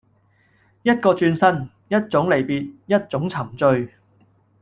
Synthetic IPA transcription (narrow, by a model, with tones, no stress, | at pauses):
jɐ˥t̚kɔː˧t͡ʃyː˧nsɐ˥n | jɐ˥t̚t͡sʊ˨˥ŋle˨˩jpiː˨t̚jɐ˥t̚t͡ʃʊ˨˥ŋt͡sʰɐ˨˩mt͡ʃɵ˧ɥ